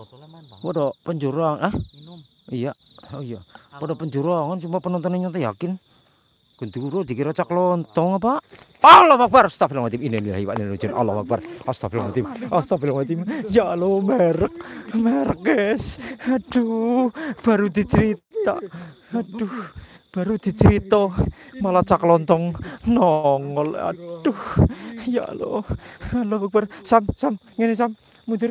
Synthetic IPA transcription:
pɔdɔpəɲd͡ʒoɾaah | ija | ojapɔɖɔpəɲd͡ʒoɾaŋant͡ʃumpapənɔnt̪ɔneɲɔnt̪ɔjakɪn | ɡ̥ɔnd̪ikuɾod̪i̤kiɾat͡ʃaklɔnt̪ɔŋapaʔɔlɔhmak̚barst̪afilamat̪iminenila̰ɦiwaʔnelod͡ʒɔna̰lɔhmak̚barɔst̪afilaŋat̪imast̪afilmat̪imjalomɛɾək̚mɛrkɛsad̥u | b̥a̤ɾud̪̥i̤t͡ʃəɾit̪a̰ | ad̥uh | b̥a̤ɾud̪̥i̤t͡ʃəɾit̪ɔmalat͡ʃaklɔnt̪ɔŋnɔŋɔla̰ɖ̥uhja̰ʔlo̰alɔmak̚barsamsam | ŋɛnisamː | ud̪ɪr

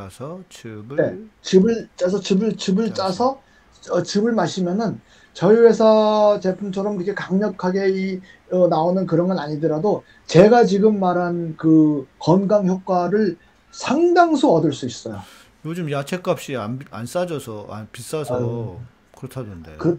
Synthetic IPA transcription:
sʰʌt͡ɕibɯne̞t͡ɕibɯɭt͡ɕ͈asʰʌt͡ɕibɯɭt͡ɕibɯɭt͡ɕ͈asʰʌ | ʌt͡ɕibɯɭmaɕʰimjʌnɯn | t͡ɕʌiwe̞sʰʌt͡ɕe̞pʰumt͡ɕʰʌɾʌmɾɯkʰekaŋɲʌkʰaɡe̞i | ʌnaonɯnkɯɾʌnɡʌnaɲidɯɾado | t͡ɕe̞ɡat͡ɕiɡɯmːaɾɦankɯkʌnɡaŋçjok̚k͈waɾɯɭ | sʰaŋdaŋsʰoʌdɯɭs͈uis͈ʌjo̰ | jod͡ʑɯmjat͡ɕʰek͈ap̚ɕ͈iaa̰ns͈ad͡ʑʌsʰʌa̰pis͈asʰ | kɯɾʌtʰadondḛkɯ

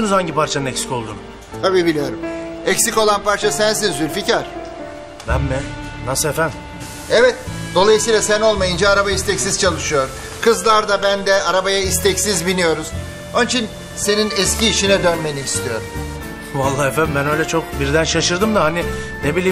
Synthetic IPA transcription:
nuzhaɲɟipaɾt͡ʃʰanɯnɛcsi̥co̞lˠd̪un | t̪ʰabiːbilʲijo̞ɾumɛcsico̞lˠanpaɾt͡ʃʰasæns̬izzyɾʲficaɾ̥ | bænmɪ | nasɯefæn | ɛvɛt̪d̪o̞lˠajɯsijlˠasæno̞lˠmajɯnd͡ʒaːɾabaist̪ɛcsiz̥t͡ʃʰalˠɯʃɯjo̞ɾ | kʰɯzlˠaɾd̪abænd̪ɛaɾabajaist̪ʰɛcsizbinijo̞ɾuz̥ | o̞nit͡ʃʰin | se̞ninɛsciːʃinɛd̪ønmeniist̪ʰijo̞̰ɾm | valˠːaːhefænd̪mbænø̞jlʲɛt͡ʃʰo̞k̚biɾd̪ænʃaʃɯɾd̪ɯmd̪aɦaninebilʲiː

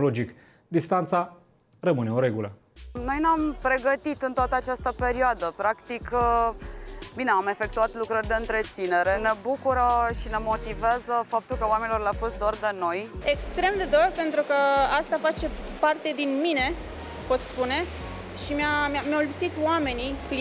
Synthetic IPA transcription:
lod͡ʒik | d̪ist̪ant̪sa | rəmɨne̞oɾe̞ɡulə | no̞jneampɾe̞ɡət̪it̪ɨnt̪oat̪əat͡ʃast̪əpe̞ɾioad̪əpɾakt̪ik | bine̞ame̞fe̞k̚t̪uat̪lukɾərʲd̪e̞ɨnt̪ɾe̞t̪sine̞ɾe̞ne̞bukuɾəʃine̞mo̞t̪iveazəfap̚t̪ulkəwame̞nilo̞rlʲafo̞st̪̚d̪oard̪eno̞jekst̪ɾe̞md̪e̞d̪orpe̞nt̪ɾukəast̪afat͡ʃe̞ | part̪e̞d̪inmine̞ | po̞t̪spune̞ | ʃimjamamjawlupsit̪wame̞nipl

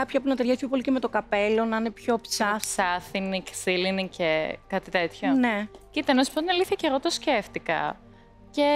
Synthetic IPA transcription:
kɐpçɐpunɐt̪eɾʝɐspçopo̞liceme̞t̪o̞kɐpe̞lo̞nɐinepço̞psɐsɐθinicsilinicekɐt̪it̪et̪çonecit̪enɐsu̥po̞t̪inɐliθiçɐceɾot̪osceft̪ikɐ̰ | ce

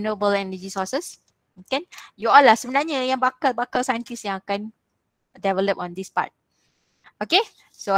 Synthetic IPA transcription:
nobəlɛnəd͡ʒisɔsəs | kɛ̃njuɔlːahsəbənaɲəjãŋbakalbakalsaj̃nt̪isjãŋakãn | dɛvələpɔ̃nd̪ispa̰t̚ | oke | so

